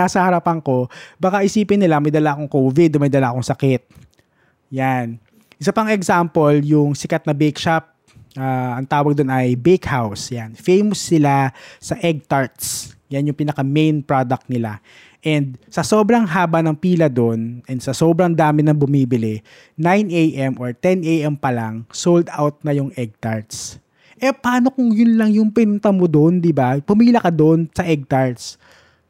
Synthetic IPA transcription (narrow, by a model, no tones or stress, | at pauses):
asɐhɐɾɐpɐŋko̞bakaʔɪsiːpɪnːɪlamɐjd̪ɐlaʔɐkoŋkoːvɪd̪omɐjd̪ɐlaʔkoŋsɐkɪt̪̚ | jan | ʔɪs̬apɐŋɛɡsampoljʊŋsɪkɐt̪̚nɐbɛkʃap̚ | ʔaɐŋt̪aːwɐɡ̚d̪onɐjbekhawsjanfejmosːɪlasɐʔɛɡ̚t̪aɹt̪sjanjʊŋpiːnɐkamejnpɹod̪ɐk̚t̪̚nɪla | ʔɛnd̪̚sɐso̞ːbɾɐŋɦaːbɐnɐŋpiːlɐd̪onʔɛnd̪sɐsobɾɐŋd̪aːmɪnɐŋbʊmiːbɪlɪ | najnʔejʔɛmʔoɹt̪ɛnejʔɛmpɐlaŋsowld̪a̰wt̪̚nɐjʊŋʔɛɡ̚t̪aɹt̪s | ʔɛpaːno̞kʊŋjʊnlɐŋjʊŋpɪnʊnt̪ɐmod̪oʔnd̪ɪbapʊmiːlɐkɐd̪oʔnsɐʔɛɡ̚t̪aɹt̪s